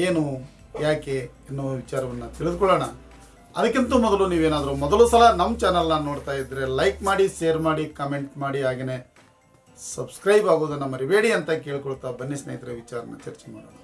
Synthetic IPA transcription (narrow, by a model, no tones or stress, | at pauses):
eːnu | jaːke̞ | inːuʋɐʋit͡ʃaːɾɐʋɐnːɐt̪iɭid̪ukɔɭːoːɳɐ | ɐd̪ɐkːint̪umɔd̪ɐluniːʋeːnaːd̪ɐɾumɔd̪ɐlusɐlɐnɐmːt͡ʃaːnɐlnɐno̞ːɽt̪aːjid̪ɾe̞lɐjkmaːɽiʃeːɾmaːɽikɐme̞ɳʈmaːɽiaːɡene̞ | sɐbskɾɐjbaːɡoːd̪ɐnːɐmːɐɾiʋeːɽiɐnt̪ɐkeːɭkɔɭt̪ːabɐnːisnɐ̰jit̪ɐɾeʋit͡ʃaːɾɐ̰nːɐ̰t͡ʃɐɾt͡ʃemaːɽoːɳɐ